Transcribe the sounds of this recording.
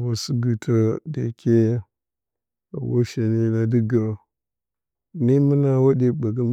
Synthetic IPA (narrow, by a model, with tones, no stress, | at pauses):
wa˨su˦ɡu˨tʰa˦dḛ˨kʰe˦ja˦ | a˨wo̰˦ʃe˨ne˦na˨di˦ɡa˨ | ni˦mə˦na˦wa˦ɗe˨ba˨ɡa˦m